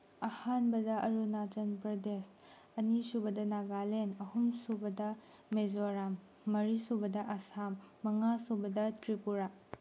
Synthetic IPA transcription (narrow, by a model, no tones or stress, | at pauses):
ɐhanbɐdɐʔɐɾunad͡ʒɐnpɾɐdes | ɐnisubɐdɐnaɡalenɐhumsubɐdɐ | mezoɾamː | ɐɾisubɐdɐʔɐsamː | ɐŋasubɐdɐtɾipuɾa